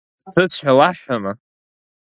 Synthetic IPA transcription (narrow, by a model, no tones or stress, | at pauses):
tʰɨt͡sʷʰħʷᶣalaħama